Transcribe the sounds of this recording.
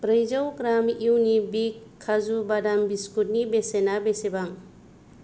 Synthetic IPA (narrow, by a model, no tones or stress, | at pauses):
bɾəjzawɡɾamiwnibikʰːazubadambiskut̚nibesenabesebaŋ